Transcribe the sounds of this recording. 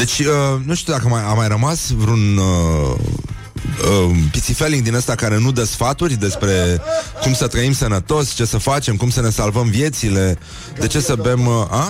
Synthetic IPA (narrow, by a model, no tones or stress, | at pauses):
d̪̥e̞t͡ʃʲənuʃt̪ud̪akəmajamːajɾəmasvɾunə | əpit̪sifeliŋɡd̪inəst̪akaɾe̞nud̪əsfat̪urʲd̪e̞spɾe̞kumsət̪ɾəimsənət̪o̞st͡ʃe̞səfat͡ʃe̞mkumsəne̞salvəmvje̞t̪sile̞ | d̪e̞t͡ʃe̞səve̞ma